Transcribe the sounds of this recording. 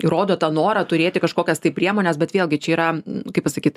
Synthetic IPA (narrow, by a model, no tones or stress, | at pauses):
iɾoːd̪oːt̪ɐnoːɾɐt̪ʊɾʲeːt̪ʲɪkɐʃkoːkʲɛst̪ɐɪpʲɾʲiɛmoːnʲɛsbʲɛt̪ʋʲeːlˠɡʲɪt͡ʃʲɛiːɾɐkɐɪpɐsɐkʲiːt̪